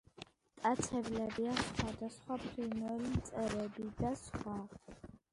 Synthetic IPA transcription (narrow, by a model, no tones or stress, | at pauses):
t̪ʼat͡sʰɛblɛbiasχwad̪asχwapʰɾinwɛlimt̪sʼɛɾɛbiid̪asχa